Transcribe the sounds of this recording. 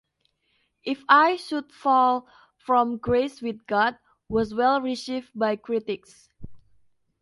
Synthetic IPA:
ʔifajʃud̚fɔl | fɹɔ̃mɡɹeswiθ̚ɡɔd̚ | wɔs̬wɛlɹisif̚bajkɹitɪks

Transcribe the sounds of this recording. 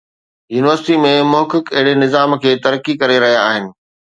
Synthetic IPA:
juːnɪʋəɾsɪʈimẽmʊɦkɪkɐɦɪɽenɪzaːmkʰeːt̪ɐɾəkikɐɾeɾɐɦijaːɦɪnɪ̆

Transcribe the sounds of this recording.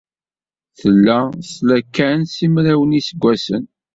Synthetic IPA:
θəlːæslækːænsimɾæwənisəɡʷːæsən

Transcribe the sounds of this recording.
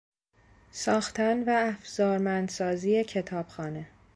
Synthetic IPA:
sɒːxt̪ʰænvæːfz̥ɒːɾmænd̪sɒːziːje̞cʰe̞t̪ʰɒːb̥xɒːne̞

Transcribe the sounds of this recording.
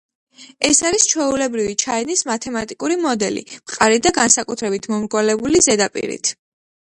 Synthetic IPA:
ɛsaɾist͡ʃʰwɛulɛbɾivit͡ʃʰaɛnismat̪ʰɛmat̪ʼikʼuɾimɔd̪ɛlḭmqʼaɾid̪aɡansakʼut̪ʰɾɛbit̪ʰmɔmɾɡwalɛbulizɛd̪apʼḭɾḭt̪ʰ

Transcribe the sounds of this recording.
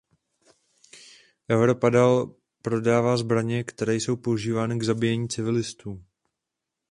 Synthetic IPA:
ʔɛwɾo̞padal | pɾo̞daːvaːzbɾaɲɛkt̪ɛɾɛːjso̞wpouʒiːvaːnɪɡzabɪjɛɲiːt͡sɪvɪlɪst̪uː

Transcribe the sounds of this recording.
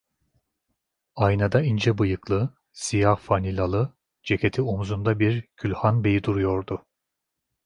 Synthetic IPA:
ajnad̪aind͡ʒɛbɯjɯklˠɯ | sijahfanilʲalˠɯ | d͡ʒe̞cʰʲe̞t̪ʰiomuzund̪abiɾɟ̥ylʲhanbe̞jid̪uɾujo̞ɾd̪ʊ

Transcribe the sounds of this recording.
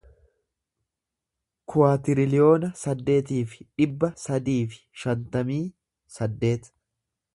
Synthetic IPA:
kʰʊwaːt̪ɪɾɪlɪjo̞ːnɐsɐd̪ːe̞ːt̪iːfɪᶑɪbːɐsɐd̪iːfɪ̥ʃɐnt̪ɐmiː | sɐd̪ːe̞ːt̪

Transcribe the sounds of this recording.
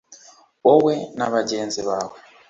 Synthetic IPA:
ɔwɛnaβad͡ʒɛnzɛβaːβɔ

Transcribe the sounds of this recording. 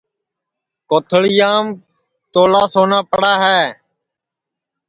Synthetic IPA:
koːt̪ʰəɭɪjaːm | t̪oːlaːsoːnaːpəɽaːɦɛː

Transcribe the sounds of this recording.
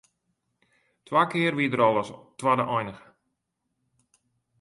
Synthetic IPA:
twaːkɪərʋidəɾɔlˠəstwadəʔɔjnəxə

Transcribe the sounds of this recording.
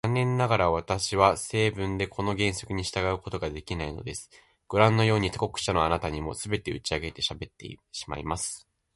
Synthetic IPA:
anːẽ̞nːaɡaɾaβ̞at̪aɕiβase̞ːbɯ̟̃nd̪e̞kʰo̞no̞ɡẽ̞ɰ̃so̞kɯ̟ɲ̟iɕi̥t̪aɡaɯ̟ko̞t̪o̞ɡad̪e̞kʲinaino̞̰d̪e̞sɨ̥ | ɡ̥ɯ̟ɾãnːo̞jo̞ːɲ̟it̪oko̞kɯ̟̥ɕano̞anat̪aɲ̟imo̞̰sɨbe̞t̪e̞ɯ̟t͡ɕiaɡe̞t̪e̞ɕabe̞t̪ːe̞̰ɕi̥ma̰ḭmasɨ̥

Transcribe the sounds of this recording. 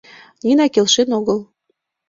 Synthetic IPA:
nʲinɑkelʃenoɣəl

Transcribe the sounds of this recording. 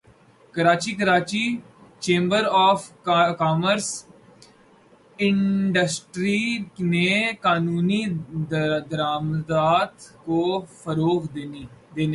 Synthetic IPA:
kəɾaːt͡ʃikəɾaːt͡ʃi | t͡ʃẽːmbəɾɔːfkaːməɾs | ɪ̃ɖəsʈɾinekaːnuːni | d̪əɾaːmd̪aːt̪kofəɾoːɣd̪ed̪eːneː

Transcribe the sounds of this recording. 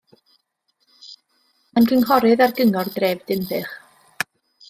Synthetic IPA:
mankʰəŋɦɔɾɨðarɡəŋɔrdreːvd̥ɪmðɨχ

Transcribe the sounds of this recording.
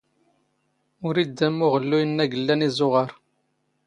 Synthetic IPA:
ʊɾid̪ːæmːʊʁəlːujənːæɡəlːænizʊʁəɾ

